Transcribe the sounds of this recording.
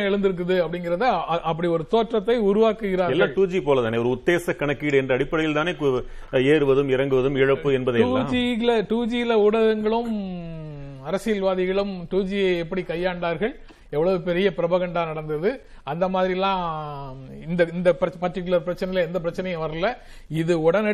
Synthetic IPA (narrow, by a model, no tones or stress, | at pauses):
ɛɻɯnd̪ɯɾɯk̬ːɯðɯɐpːɐɽɪŋɡɪɾɐðɯʔɐpːɐɽiɔɾɯt̪oːʈrɐt̪ːɐɪʊɾʊʋaːkɯɣɪɾaːɾɛlːãːɐɭʈuːd͡ʒipoːlɐt̪aːneːɐʋɐɾɯʊt̪ːeːsɐkɐɳɐkːiːɽɯɛndrɐɽɪpːɐɽɪjɪlt̪aːneːk | eːɾɯʋɐðɯmɪɾɐŋɡɯʋɐðɯmɪɻɐpːɯɛnbɐðɐuːd͡ʒiɪlɐʈuːd͡ʒijɪlɐʊɽɐɣɐŋɡɐɭɯm | ɐɾɐsɪjɐlʋaːðɪɣɐɭɯmʈuːd͡ʒijɐɛpːɐɽikɐjːaːɳɖaːɾɣɐɭ | ɛʋːɐɭɐʋɯpɛɾɪjɐpɪɾɐbɐɣɐɳɖaːnɐɽɐnd̪ɐðɯ | ɐnd̪ɐmaːðɾiɛlːãː | ɪnd̪ɐɪnd̪ɐpɾɐpɐrʈːɪkːɯlɐɾpɪɾɐt͡ʃːɐnɐɪleɛnd̪ɐp̬ɪɾɐt͡ʃːɐnɐjɐ̃ʋɐɾɐlːɐ | ɪðɯɔɽɐnɛ